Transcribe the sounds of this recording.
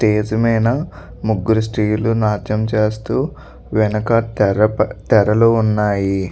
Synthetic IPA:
sʈeːd͡ʒɐmɐjnɐ | muɡːuɾus̬ʈiːlunaːt͡ʃɐmt͡ʃeːst̪uː | ʋɛnɐkɐtɾɐt̪ɛɾɐlounːaːji

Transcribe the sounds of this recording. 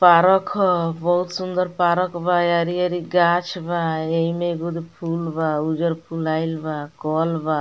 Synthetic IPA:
paɾɔkʰɔbɔɦut̪sund̪ɔɾpaɾɔkbajaɾiaɾiɡat͡ʃʰbaejmeɡud̪ipʰulbaud͡ʒɔɾpʰulajlbakɔlba

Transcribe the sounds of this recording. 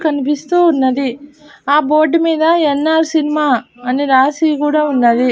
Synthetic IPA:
kɐnipist̪uːunːɐd̪iaːboːɖmiːd̪ɐenːaːɾsinimaːɐniɾaːsikuːɽaːunːɐd̪i

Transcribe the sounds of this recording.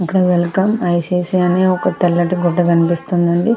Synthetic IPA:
ɐkːɐɽɐʋɐlukaːmɐjt͡ʃeːsiɐneːɔkɐt̪ɐlːɐʈiɡɔɖːɐkɐnipist̪und̪ɐɳɖi

